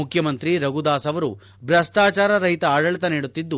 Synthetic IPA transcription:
ukʰjɐmɐnt̪ɾiɾɐɡud̪aːsɐʋɐɾu | bɾɐsʈaːt͡ʃaːɾɐɾɐɦit̪ɐaːɽɐɭit̪ɐniːɽut̪ːid̪ːu

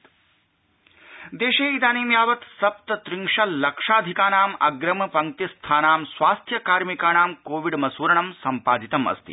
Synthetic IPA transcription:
d̪eːʃeːid̪aːniːmjaːʋɐt̪sɐp̚t̪ɐt̪ɾiŋʂɐllɐkʂaːd̪ʱikaːnaːmɐ̰ɡɾɐmɐpɐŋt̪ist̪ʰaːnaːmsʋaːst̪ʰjɐkaːɾmikaːnaːmkoːʋiɖmɐsuːɾɐɳɐmsɐmpaːd̪it̪ɐmɐ̰st̪ḭ

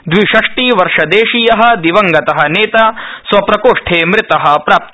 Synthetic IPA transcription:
d̪ʋiʃɐʂʈiʋɐɾʂɐd̪eːʃijɐɦɐ̆d̪iʋɐŋɡɐt̪ɐɦɐ̆neːt̪asʋɐpɾɐkoːʂʈʰeːmɾɪt̪ɐɦɐ̆pɾaːp̚t̪

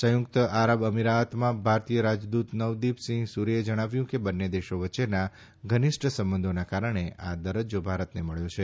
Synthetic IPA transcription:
səjʊkt̪əaɾəʋəmiɾaət̪mãbʱaɾt̪ijəɾad͡ʒd̪ut̪nəʋd̪ipsĩŋɡsuɾied͡ʒəɽ̃aʋjũkebənːed̪eʃoʋətːt͡ʃena | ɡʱənɪʃʈʰəsəmbənd̪ʱonakaɾəɳ̃eʔa̰d̪əɾəd͡ʒobʱaɾət̪neməɭjot͡ʃʰe

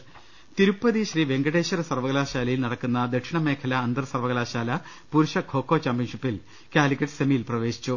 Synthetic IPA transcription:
t̪iɾupːɐðiɕriːʋe̞ŋɡɐɽeːɕɐɾɐsɐrʋɐɣɐlaːɕaːlɐjilnɐɽɐkːunːɐd̪eʈʂiɳɐme̞ːkʰɐlɐːnd̪ɐrsɐrʋɐɣɐlaːɕaːlɐ | puɾuʂɐɡʰʱoːkːo̞ːt͡ɕaːmpinʂipːil | kaːlikʲːɐʈːsɐmijilprɐʋe̞ːɕi̥t͡ɕːu

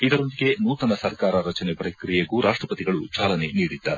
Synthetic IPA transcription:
id̪ɐɾo̞nd̪iɡe̞nuːt̪ɐnɐsɐɾkaːɾɐɾɐt͡ʃɐnepɾɐkkɾijeɡuɾʔaːʂʈɾɐpɐt̪iɡɐɭut͡ʃaːlɐne̞niːɽid̪ːa̰ːɾe

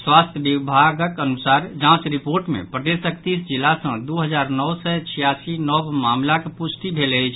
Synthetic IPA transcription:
swast̪ʰjəbibʱaɡəkənusaɾd͡ʒãt͡ʃɾipoɾʈmḛ̃pɾəd̪esək̚t̪isd͡ʒilːasə̃d̪uɦəd͡ʒaɾnɔwsɛt͡ʃʰijasinɔbmamlakepusʈ̪ibʱelət͡ʃʰ

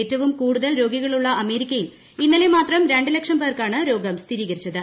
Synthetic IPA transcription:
eːtːɐʋumkuːɽuðɐlɾo̞ːɡiɣɐɭuɭːɐɐme̞ːɾikʲːɐjil | inːɐlemaːt̪rɐmɾeɳɖilekʂɐmbɐrkaːɳɨɾo̞ːɡɐmst̪ʰiɾiːɣɐɾit͡ɕːɐðɨ

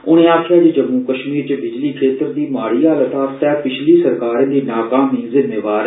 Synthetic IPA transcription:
ʊɽ̃ẽːaːkʰɪjaːd͡ʒed͡ʒəmːuːkəʃmiːɾt͡ʃəbɪd͡ʒliːkʰeːt̪əɾd̪iːmaːɽiːaːlət̪aːt̪ɛːpɪt͡ʃʰliːsəɾkaːɾẽːd̪iːnaːkaːmiːzɪmːeːʋaːɾ

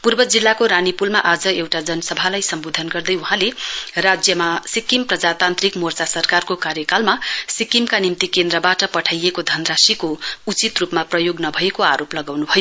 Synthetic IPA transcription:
purbʌd͡zilːakoɾanipulmaʔad͡zʌewʈad͡zʌnʌsʌbʱalajsʌmbod̪ʱʌnɡʌrd̪ʌjuɦãlerad͡zjʌmasikimprʌd͡zat̪ant̪rikmort͡sasʌrkarkokaɾjʌkalmasikimkanimt̪ikend̪rʌbaʈʌpʌʈʰajekod̪ʱʌnrasikout͡sit̪rupmaprʌjoɡnʌbʱʌekoaɾoplʌɡawnubʱʌjo

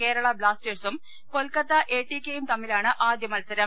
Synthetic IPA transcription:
ke̞ːɾɐɭɐbɭaːsʈeːrsum | kolkɐt̪ːɐʔeːʈːikʲːejumt̪ɐmːilaːɳɨʔaːd̪jɐmɐlsɐɾɐm

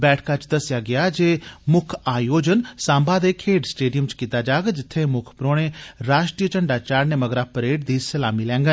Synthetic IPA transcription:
bɛːʈʰkat͡ʃd̪ɐsɪjaɡɪjad͡ʒeːmʊkʰaːjoːd͡ʒənsãːmbad̪ekʰeːɖsʈeːɖijəmt͡ʃkiːt̪ad͡ʒaːɡd͡ʒɪt̪ʰːemʊkʰpɾoːɽ̃ẽɾaːʃʈɾiːjət͡ʃəɳɖat͡ʃaːɾneməɡɾaːpɾeːʈ̚d̪iːsəlaːmilɛ̃ːŋɡən

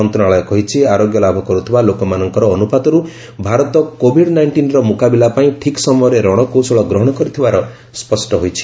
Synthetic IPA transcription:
ɔnt̪unaɭɔjkɔɦit͡ʃʰiaɾoɡjɔlabʱɔkɔɾut̪ʰibalokɔmanɔŋkɔɾɔːnupad̪ɔɾu | bʱaɾɔt̪ɔkobʱiɖnajɳʈinɾɔmukabilapaĩʈʰiksɔmɔjɔɾeɾɔɽ̃ɔkosɔɭɔɡɾɔɦɔɽ̃ɔkɔɾit̪ʰibaɾɔ | spɔsʈɔɦojt͡ʃʰi̥

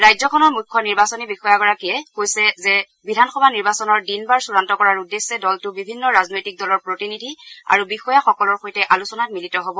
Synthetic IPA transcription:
ɹajzɔkʰɔnɔɹmukʰːɔniɹbasɔnibixɔjaɡɔɹakiɛkojsɛzɛ | bidʱanxɔbʱaniɹbasɔnɔɹdinbaɹsuɹantɔkɔɹaɹudesːɛdɔltʊbibʱinːɔɹaznojtik̚dɔlɔɹpɹotinidʱia̰ɹubixɔjaxɔkɔlɔɹxojtɛʔalusɔnat̚militɔɦobɔ

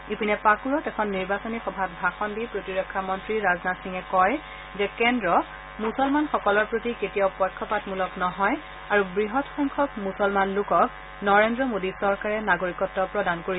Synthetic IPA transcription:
ipinɛpakuɹɔtɛkʰɔnːiɹbasɔnixɔbʱat̚bʱaxɔndipɹotiɹɔkʰːamɔntɹiɹaznatsiŋɛkɔj | zɛkɛndɹɔ | musɔlmanxɔkɔlɔɹpɹotiketijapɔjkʰːɔpatmulɔknɔɦɔj | aɹubɹiɦɔtxɔŋkʰɔkmusɔlmanlʊkɔk̚ | nɔɹendɹɔmodisɔɹkaɹɛnaɡoɹikɔtːɔpɹɔdankoɹi

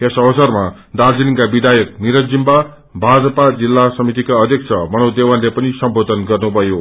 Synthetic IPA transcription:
esʌbʌsʌrma | d̪ard͡ziliŋkabid̪ʱajʌk̚niɾʌd͡zimba | bʱad͡zʌpad͡zilːasʌmit̪ikaʌd̪ʱjʌk̚t͡sʰʌmʌñʌwd̪ewanlepʌnisʌmbod̪ʱʌnɡʌrnubʱʌjo

